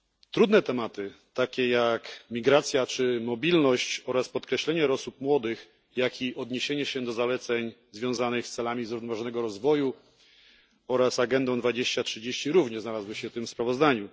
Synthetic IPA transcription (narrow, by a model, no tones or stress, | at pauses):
t̪ɾud̪nɛt̪ɛmat̪ɘt̪akʲɛjakmʲiɡɾat̪sʲjat͡ʂɘmɔbʲilnɔɕt͡ɕɔɾaspɔt̪kɾɛɕlɛɲɛɾɔsup̚mwɔd̪ɘx | jakʲiʔɔd̪ɲeɕeɲɛɕɛd̪ɔzalɛt̪sɛɲzvʲjɔ̃w̃zanɘxst̪sɛlamʲizɾuvn̪ɔvaʐɔnɛɡɔɾɔzvɔju | ɔɾasaɡɛnd̪ɔ̃w̃d̪vad͡ʑeɕt͡ɕatʂɘd͡ʑeɕt͡ɕiɾuvɲɛznalazwɘɕɛft̪ɘmspɾavɔzd̪aɲu